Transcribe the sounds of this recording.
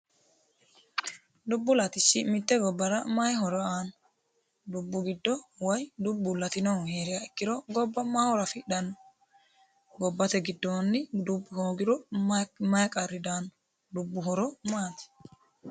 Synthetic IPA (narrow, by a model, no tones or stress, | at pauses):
d̪ʊbːʊlɐt̪ɪsːɪmɪt̪ːɛɡɔbːɐɾɐmɐjɦɔɾɔaːn | d̪ʊbːʊɡɪd̪ːɔwɐjd̪ʊbːʊlɐt̪ɪnɔwheːɾɪjaɪkːɪɾɔɡɔbːɐmaːhɔɾɐfɪɗɐnːɔ | ɡɔbːɐt̪ɛɡɪd̪ːoːnːɪd̪ʊbːʊhoːɡɪɾɔmɐjkʼɐɾːɪd̪aːnɔ | d̪ʊbːʊɦɔɾɔmaːt̪ɪ̥